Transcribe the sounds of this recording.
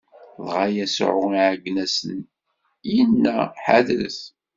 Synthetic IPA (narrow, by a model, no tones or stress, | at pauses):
ðʁajæsʕʊ̰ʁiʕəɡnæsən | jənːæħaðɾə̰θ